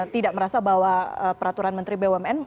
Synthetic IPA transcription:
t̪idaʔməɾasabaɦwaəpəɾat̪uɾanmənt̪ɾibeuɛmɛn

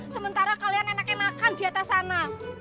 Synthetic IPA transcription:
səmənt̪aɾakalianenakjamakand̪iat̪asana

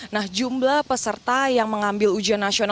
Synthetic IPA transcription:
nahd͡ʒumblahpəsərt̪ajaŋməŋambɪlud͡ʒianːasion

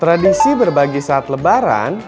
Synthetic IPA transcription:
t̪ɾadisibərbaɡisaːt̪ləbaɾa̰n

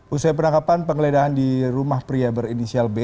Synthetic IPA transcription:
usajp̬ənakapanpəŋəledaɦandiɾumahpɾiabəɾinisialbe

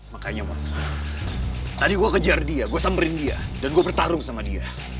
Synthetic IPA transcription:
makaɲama̰ŋ | t̪adiɡuakəd͡ʒardiaɡuasambəɾɪndia̰danɡuabərt̪aɾʊŋsamadia̰

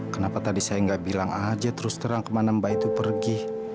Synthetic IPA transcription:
kənapat̪adisajaŋɡaʔbilaŋad͡ʒat̪əɾʊst̪əɾaŋkəmanambait̪upərɡi

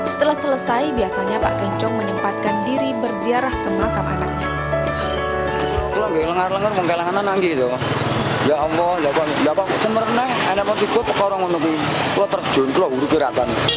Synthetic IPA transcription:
sə̥t̪əlahsələsaibiasaɲapa̰ʔkɛɲt͡ʃɔŋmənəmpat̪̚kandiɾibərziaɾahkəmakama̰nak̚ɲa | ɔkulɔŋɡaʔləŋarləŋarmɔŋkalaŋananaŋɡiit̪u | jaɔmɔhlapalapaʔsəməɾəŋ̚nɛhɛnɛʔpɔt̪ikɔpəkaɾaŋɔnuk̬ikulɔt̪ər̥d͡ʒ̥o̤nkulɔɦuɾukiɾat̪an

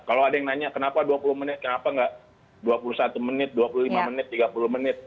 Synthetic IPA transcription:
kaloadajŋnaɲakənapaduapulʊhmənɪt̪̚kənapaŋɡaʔ | duwapulusat̪umənɪt̪̚duapuluhlimamənɪt̪ːiɡapulʊhmənɪt̪̚

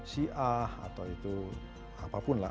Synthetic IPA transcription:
siʔaha̰t̪awit̪u | apapʊnla

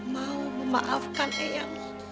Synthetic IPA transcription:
mauməmaʔafkanʔejaŋ

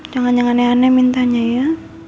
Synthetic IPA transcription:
d͡ʒaŋanɲd͡ʒaŋanɛanɛmint̪aɲaja

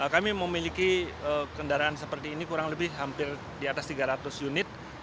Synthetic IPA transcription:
əkamiməmilikiəkəndaɾaansəpərt̪iːnikuɾaŋləbɪhɦampɪr | diat̪ast̪iɡaɾat̪ʊsjunɪt̪̚

